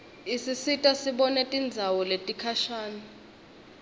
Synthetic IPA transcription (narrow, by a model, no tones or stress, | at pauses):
isisitʼasiɓɔnɛtʼind͡zʱawɔletʼikʰaʃaːni